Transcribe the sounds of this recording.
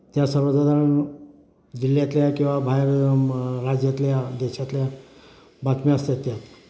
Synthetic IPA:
t̪jasəbəd͡zad̪ʱaɽan | d͡ʑiljat̪ljakĩw̃ʋabʱajɾ | ɾad͡zjat̪ljad̪eɕat̪lja | bat̪miast̪jat̪ja

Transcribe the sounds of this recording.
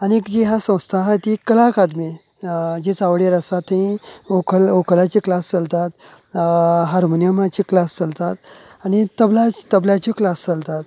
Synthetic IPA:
aɽniekd͡ʑiɦasə̃w̃st̪ʰaɦajt̪ikəlakad̪mi | d͡ʑit͡saʋɽiɾəsat̪ːeĩokʰəlokʰəlat͡ɕiːklast͡səlt̪at̪ | ɦaɾmonijəmãt͡ɕiklast͡səlt̪at̪̚añit̪əblat̪əbljat͡ɕiklast͡səlt̪at̪

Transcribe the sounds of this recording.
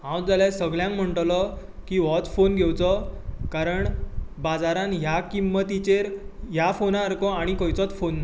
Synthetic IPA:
ɦãwd͡zaljasəɡljãŋkm̤əɳʈlɔ | kiːʋɔt͡sfonɡʱewt͡sɔkaɾəɳbad͡zaɾãnɦjakimːət̪it͡ɕeɾɦjafonaːɾkɔaɽ̃ikɔjt͡sɔt͡sfonːa

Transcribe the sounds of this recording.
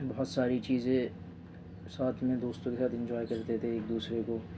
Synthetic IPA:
bɐɦɔt̪saːɾit͡ʃiːzẽ | saːt̪ʰmẽd̪oːst̪õkesaːt̪ʰɪ̃ɲd͡ʒɔːjkɐɾt̪et̪ʰeeːk̚d̪uːsɾeko

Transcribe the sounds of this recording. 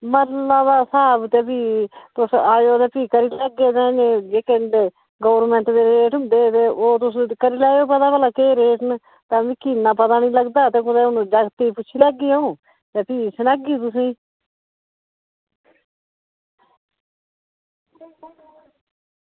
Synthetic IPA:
məɾlaːd̪aːsaːbt̪eːpiːt̪ʊsaːjoːt̪eːpiːkəɾiːlɛɡeːd̪ɛ̃ːnẽd͡ʒeːkẽnd̪eː | ɡoːʋəɾmɛ̃ɳʈd̪eːɾeːʈʊnd̪eːt̪eːʔoːt̪ʊsːkəɾiːlɛːjoːpət̪aːbəlaːkeːɾeːʈn | t̪ãːʋiːkiːnaːpət̪aːnĩːləɡd̪aːt̪eːkʊd̪eːʊnũːd͡ʒaɡt̪iːpʊt͡ʃʰiːlɛːɡiːaːũː | t̪eːpiːsənaːɡiːt̪ʊsĩː

